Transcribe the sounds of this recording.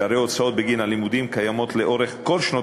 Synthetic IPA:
aɾeot͡sao̞t̪̚beɡinalimud̪imkajamo̞t̪le̞ʔo̞ʁeχko̞lʃno

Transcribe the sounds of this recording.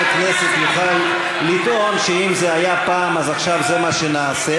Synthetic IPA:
kneset̪juχalː | it̪o̞nʃeimzeajapaːmazaχʃavzemaʃenaːse

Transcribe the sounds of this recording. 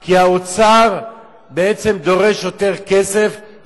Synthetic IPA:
kiaot͡saʁ | beet͡se̞md̪o̞ʁe̞ʃjot̪eʁkesef

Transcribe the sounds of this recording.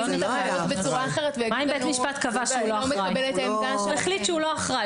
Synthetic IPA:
onit̪amaevotbet͡suʁaːχeʁet̪vemaimbet̪miʃpat̪kavaʃeuloameabelet̪aemdaʃeeχlitʃeulo̞aχʁaj

